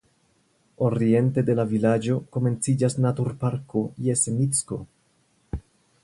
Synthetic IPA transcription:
o̞ɾie̞nte̞de̞lavilad͡ʒo̞ko̞me̞nt͡sid͡ʒasnatuɾpaɾko̞jesemit͡sko̞̰

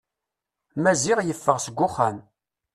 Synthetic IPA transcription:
mæzɪʁjəfːəʁsəɡʷːʊχːæm

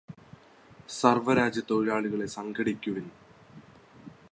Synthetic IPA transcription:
sɐrʋɐɾaːd͡ʑjɐt̪ːoɻiɻaːɭuɣɐɭe̞sɐŋɡɐɽikʲːuʋin

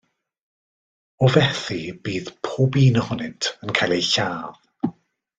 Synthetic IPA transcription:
ɔvɛθibiːðpʰoːbiːnəhʊnɨntʰənkʰajlˠejɬaːð̥

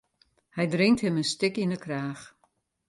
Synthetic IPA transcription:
hɛjdrɪŋthɪmənstɪkinəkraːx

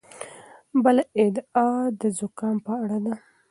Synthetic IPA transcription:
bəlaɪd̪ɑd̪əzʊkɑmpəaɽad̪a

